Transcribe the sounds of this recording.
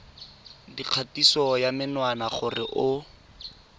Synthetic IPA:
diq͡χʰatisɔjamɪnwanaχʊrɪʔʊ

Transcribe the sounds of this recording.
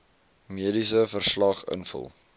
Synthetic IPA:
miədisəfərslɐχə̰nfə̰lˠ

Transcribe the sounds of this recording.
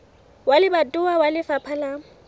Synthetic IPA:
walɪbatʼʊawalɪfapʰala

